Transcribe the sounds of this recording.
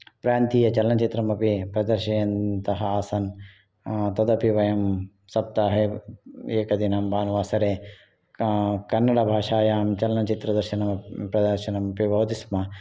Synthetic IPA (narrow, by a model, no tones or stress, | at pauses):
pɾaːnt̪iːjɐt͡ʃɐlɐnɐt͡ʃit̪ɾɐmɐpipɾɐd̪ɐɾʃɐjɐnt̪ɐɦɐaːsɐn | t̪ɐd̪ɐpiʋɐjɐm | sɐp̚t̪aːɦe | eːkɐd̪inɐmbaːnʋaːsɐɾe | kɐnːɐɽabʱaːʃaːjaːmt͡ʃɐlɐnɐt͡ʃit̪ɾɐd̪ɐɾʃɐnɐmɐpɾɐd̪ɐɾʃɐnɐmɐpibɐwt̪ismɐ